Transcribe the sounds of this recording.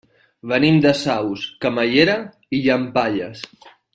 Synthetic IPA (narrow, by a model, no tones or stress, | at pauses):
βənimd̪əsawskəməʎeɾa | iʎəmpaʎəs